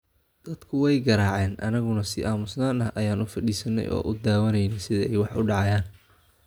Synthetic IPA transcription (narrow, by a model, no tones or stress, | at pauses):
d̪̥ɐd̪̥kʰʊwɛjɡɐɾaːʕɛːnʔɐ̰nɐɣʊnɐsɪʔaːmʊsnaːnɐʔɐjaːnʊfɐɗiːsɐnːɛ̰jʔɔ̰ːʔʊd̪aːwɐnɛjnɛjsɪðɐɛjwɑħʊɖɑʕɑjaːn